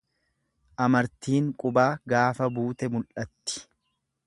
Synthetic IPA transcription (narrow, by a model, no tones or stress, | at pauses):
ʔɐmɐɾt̪iːŋkʼʊbaːɡaːfɐbuːt̪ɛmʊlʔɐt̪ːɪ̥